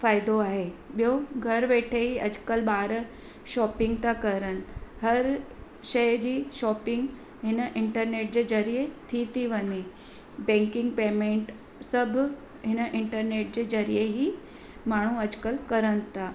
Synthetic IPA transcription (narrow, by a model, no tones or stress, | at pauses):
faːɪd̪oaːɦeɓijoɡʱɐɾʋeːʈʰeɦiɐd͡ʑkəlɓaːɾ | ʃɔːpɪ̃ŋɡ̚t̪akɐɾənɪ̆hɐɾ | ʃɐjd͡ʑiːʃɔːpɪ̃ŋɡ | ɦɪnəʔɪ̃ɳʈəɾneːʈ̚d͡ʑeːd͡ʑɐɾiet̪ʰit̪ʰiʋɐɲe | bɛ̃ːŋkɪ̃ŋɡpeːmẽːɳʈ | sɐbʱ | ɦɪnəʔɪ̃ɳʈəɾneːʈ̚d͡ʑeːd͡ʑɐɾijeɦi | maːɳ̤uɐd͡ʑkəlkɐɾənɪ̆t̪ʰaː